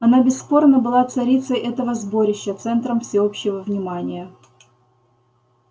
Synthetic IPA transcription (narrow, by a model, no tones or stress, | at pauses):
ɐnabʲɪsːpo̞rnəbɨlˠat̪sɐɾʲit̪səjʔɛt̪əvəzbo̞ɾʲɪɕːət̪sɛnt̪ɾəmfsʲɪo̞pɕːɪvəvnʲɪmanʲɪjə